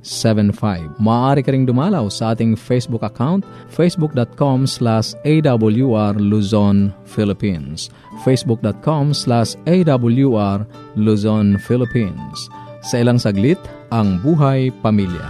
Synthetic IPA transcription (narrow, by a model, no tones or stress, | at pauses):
sɛvɛnfajvmaaɾikaɾiŋd̪umalawsaʔat̪iŋfesbukakawnt̪̚ | fesbuk̚dɔt̪̚kɔmslasejdabuljuarluzɔnfilipins | fesbuk̚d̪ɔt̪̚kʰɔmslasejdabuljuar | luzɔnfilipinssailaŋsaɡlit̪ | aŋbuɦajpamilja̰